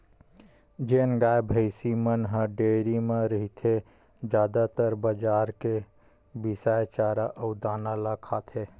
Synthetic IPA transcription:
d͡ʒeːnɡaːjbʱəɪsimənɦə̃ɖeɾimeɾəɦit̪ʰe | d͡ʒjaːd̪at̪əɾbəd͡ʒaːɾke | bisajt͡ʃaːɾaʔəʊd̪aːnalakʰaːt̪ʰɦe

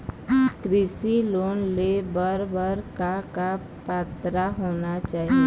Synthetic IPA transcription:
kɾɪsiloːnlebəɾbəɾkaka | paːt̪ɾaɦoːnat͡ʃaːɦie

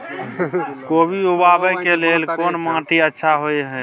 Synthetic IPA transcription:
kobʱiubabəkelelkoːnmãʈiətːʃʰaɦojɦɛ

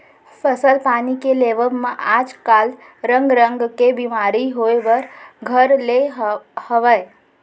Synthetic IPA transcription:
pʰəsəlpaːnikeleʋəbmãʔad͡ʒkal | ɾə̃ŋɡɾə̃ŋɡkebimaɾiɦoeʋəɾɡʱəɾleɦhəʋəe

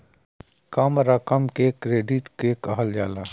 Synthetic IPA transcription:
kaːmɾakɐmkeːkːɾeːɖiʈkeːkɐɦəld͡ʒaːla

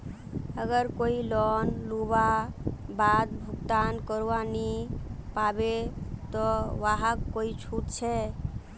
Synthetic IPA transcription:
əɡəɾkoilɔnlubabad̪̚bʱukt̪ankəɾuanipabet̪ɔʋaɦakkːoit͡ʃʰut̪̚t͡ʃʰɛ

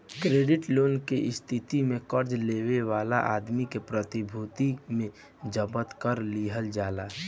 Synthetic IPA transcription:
kɾeːɖɪʈloːnkeʔɪst̪ʰit̪imẽkəɾd͡ʒleːweʋaːla̰ʔa̰ːd̪mikepɾət̪ibʱut̪imẽ | d͡ʒəbət̪kəɾliːɦəld͡ʒaːlaː

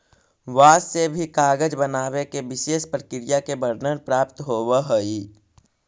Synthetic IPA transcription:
ʋaːsebʱikaːɡəd͡ʒbənaːwekeʋɪʃeːʃpɾəkɪɾɪjakebəɾnənpɾaːpt̪ɦoːwaɦoiː

